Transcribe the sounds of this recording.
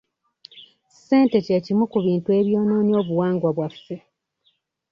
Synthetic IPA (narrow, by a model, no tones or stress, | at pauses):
se̞ːnte̞ceːcimukuβiːntue̞ːβjo̞ːno̞ːnio̞ːβuwaːŋɡwaβwafe